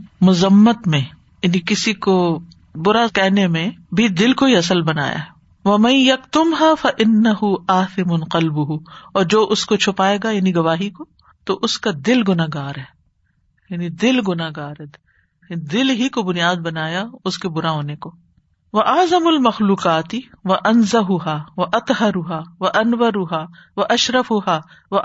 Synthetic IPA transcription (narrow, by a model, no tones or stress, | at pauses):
mʊzəmːət̪mẽ | jaːnikɪsiko | bʊɾakɛɦnemẽbʱid̪ɪlkoɦiɐsəlbɐna̰ːja̰ɦɛ | ʋɐmɐ̃njɐqt̪ʊmɦaːfɐʔɪnːɐɦʊaːθɪmʊnqɐlbʊɦuɔːɾd͡ʒoːʔʊskot͡ʃʰʊpaːeːɡajaːniɡɐʋaːɦiko | t̪oʔʊskad̪ɪlɡʊnaɡaːɾɦɛː | jaːnid̪ɪlɡʊnaɡaːɾd̪ | d̪ɪlɦikobʊnijaːd̪̚bɐnaːjaʊskebʊɾaɦoːnekoː | ʋɐʔaːzɐmʊlmɐxluːqaːt̪ɪʋɐʔɐnzɐɦʊɦaːʋɐʔɐt̪ˤɦɐɾʊɦaːʋɐʔɐnʋɐɾʊɦaːʋɐʔɐʃɾɐfʊɦaː | ʋɐ